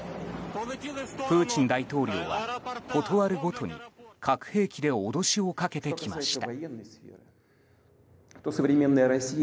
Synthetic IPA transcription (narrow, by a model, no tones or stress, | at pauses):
pɯ̟ːt͡ɕĩnd̪ait̪o̞ːɾʲo̞ːβa̰ko̞t̪o̞βaɾɯ̟ɡo̞t̪o̞ɲ̟ḭkʰakɯ̟̥he̞ːkʲid̪e̞od̪o̞ɕio̞kake̞t̪e̞kʲimaɕi̥t̪ajenːəsfʲḛɾɨ | t̪osəvɾʲɪmʲe̞nːəjəɾɐsʲi